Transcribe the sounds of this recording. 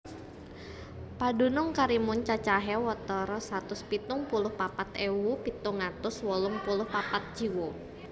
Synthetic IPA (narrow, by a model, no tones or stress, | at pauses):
padunʊŋkaɾimʊnt͡ʃat͡ʃaɦɛwɔt̪ɔɾɔsat̪ʊspit̪ʊŋpulʊhpapat̪ewupit̪ʊŋat̪ʊswɔlʊŋpulʊhpapat̪̚d͡ʒiwo